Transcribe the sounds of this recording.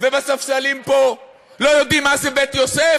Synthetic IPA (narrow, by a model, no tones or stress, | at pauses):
vebasafʃalimpo | lojod̪imːazebet̪jose